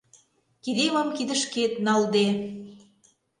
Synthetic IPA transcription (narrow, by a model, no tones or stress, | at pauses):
kid̪ewɑmkid̪ə̆ʃket̪̚nɑld̪e